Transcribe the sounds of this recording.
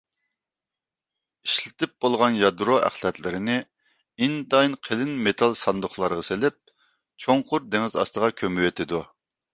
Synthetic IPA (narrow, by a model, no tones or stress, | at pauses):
iʃlɪt̪ɪp̚b̥olˠʁɑnjɑd̪ɾoʔæ̰χlˠɛt̪lɪɾɪnɪ | ind̪ɑjnqʰelɪnmet̪ʰɑlˠsɑnd̪ʊχlˠɑɾəʁɑselɪp̚ | t͡ʃʰoŋqʰʊɾd̪eŋɪzɑ̰st̪əʁɑkʲʰømywet̪ʰɪd̪u